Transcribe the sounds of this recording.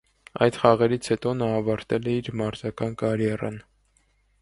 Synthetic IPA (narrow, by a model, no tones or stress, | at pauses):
ɑ̰jd̪χɑʁɛɾit͡sʰhɛt̪ɔnɑːvɑɾt̪ɛlɛiɾmɑɾzɑkɑnkɑɾjɛrɑ̰n